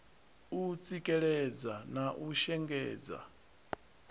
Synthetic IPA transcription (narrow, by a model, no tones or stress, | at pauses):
ut͡sʼikʼɛɺɛd͡zanaʔuʃɛŋɡɛːd͡za̰